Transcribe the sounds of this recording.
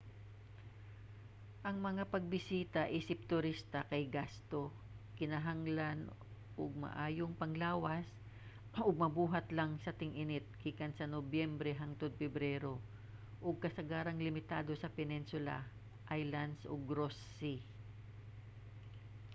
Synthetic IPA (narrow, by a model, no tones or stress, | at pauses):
ʔɐŋmɐŋapɐɡ̚bɪsiːt̪ɐʔiːsɪp̚t̪ʊɾist̪ɐkɐjɡast̪o̞ | kɪnɐɦaŋlan | ʔoɡ̚mɐ̰ʔaːjoŋpɐŋlaːwɐs | ʔoɡ̚mɐbuːɦɐt̪lɐŋsɐt̪ɪŋʔɪnɪt̪̚kiːkɐnsɐnobjɛmbɾɛɦaŋt̪od̪̚fɛbɾɛɾo̞ | ʔoɡ̚kɐsɐɡaːɾɐŋlɪmɪt̪aːd̪o̞sɐpɛninsʊla̰ | ʔajlɐnd̪sʔo̰ɡɾosːi